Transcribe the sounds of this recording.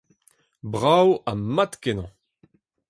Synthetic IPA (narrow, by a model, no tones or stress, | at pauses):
bʁawamat̪kenɑ̃